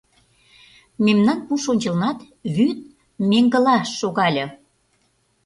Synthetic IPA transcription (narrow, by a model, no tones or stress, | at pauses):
memnɑnpuʃonʲt͡ɕə̆lnɑt̪ | βyt̪̚ | meŋɡə̆lɑʃːoɣɑlʲɤ̆